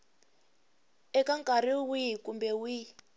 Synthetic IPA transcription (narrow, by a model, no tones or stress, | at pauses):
ɛkaŋkʼariwikumbɛwi